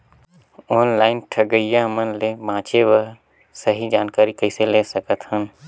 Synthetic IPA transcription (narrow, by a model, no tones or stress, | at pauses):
ɔːnlaːɪnʈʰəɡəijaɦmənlebãːt͡ʃeʋəɦ | səɦid͡ʒaːnkaːɾikəɪseleːsəkət̪hən